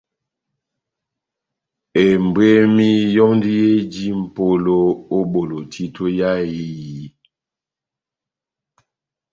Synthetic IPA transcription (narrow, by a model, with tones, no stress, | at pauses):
e˨m˨be˦mi˦jɔ˦ŋndi˦e˦d͡ʒi˦m̩˨po˦lo˦o˦ɓo˨lo˨tʰi˦tʰo˦ja˦ji˦ji˨˦